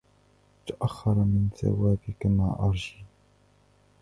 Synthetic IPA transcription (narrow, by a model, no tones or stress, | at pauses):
t̪aʔaxːɑɾˤɑmɪnθa̰waːbɪkamaːʔɑɾˤʒiː